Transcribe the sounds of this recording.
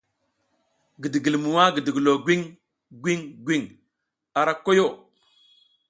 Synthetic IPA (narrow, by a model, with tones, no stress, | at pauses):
ɡi˨di˨ɡi˨lmu˨wa˦ɡi˨di˨ɡi˨lo˨ɡʷi˦ŋ | ɡʷi˦ŋɡʷwi˦˨ŋ | a˨ɾa˦ko˦jo˦˨